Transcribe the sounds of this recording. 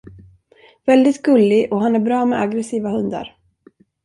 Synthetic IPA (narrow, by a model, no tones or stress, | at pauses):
vɛld̪ɪt̪ɡɵlːɪʔɔɦanæɾbɾɑːmɛaɡɾɛsiːvahɵnd̪a̰ɾ